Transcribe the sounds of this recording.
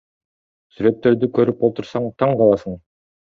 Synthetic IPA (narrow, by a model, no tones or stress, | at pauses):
syɾø̞t̪ːe̞ɾd̪ykʰø̞ɾypbo̞lˠt̪uɾsɑɴt̪ʰɑɴqʰɑlˠɑsɯɴ